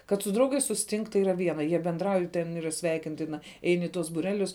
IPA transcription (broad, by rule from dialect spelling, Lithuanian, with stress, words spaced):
kɐt sʊ ˈdrɐʊɡɐɪs sʊsʲɪˈtʲɪŋk tɐɪ ˈiːrɐ ˈʋʲiɛnɐ jiɛ bʲɛnˈdrɐʊj tʲɛn ˈiːrɐ ˈsʲʋʲɛɪkʲɪnʲtʲɪnɐ ˈɛɪn ɪ ˈtuɔs buːˈrʲæːlʲʊs